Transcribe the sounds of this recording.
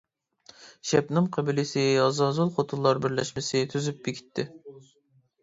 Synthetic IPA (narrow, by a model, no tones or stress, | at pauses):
ʃɛpnɨŋqʰæbɪlɪsɪɑzɑzulˠχot̪ʰunlˠɑɾbɪɾlɛ̰ʃmɪsɪt̪ʰyzyp̚b̥ekʲʰi̥t̪ʰːɪ